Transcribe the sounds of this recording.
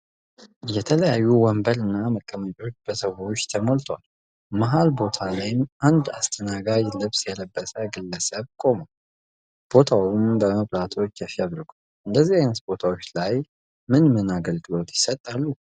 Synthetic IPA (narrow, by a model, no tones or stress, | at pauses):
jɛt̪ʰələjajːuwɔmbəɾɨnːaməkʼːəmət͡ʃʼo̞t͡ʃːb̥əsəwo̞t͡ʃːt̪ʰəmolt̪ʰal | maɦalbo̞t̪ʰalajɪmʔand̪ast̪ʰənaɡad͡ʒlɨβsjɛləbːəsʼəɡɨlːəsəβkʼo̞mo | b̥o̞t̪ʰawʊmbəməβlat̪ʰo̞t͡ʃːjafijaβɾɨɡʷu | ɨnd̪əzːihajnət̪bo̞t̪ʰawo̞t͡ʃːlaj | mɨnmɨnaɡəlɡɨlo̞t̪jɪsət̪ʼːalːu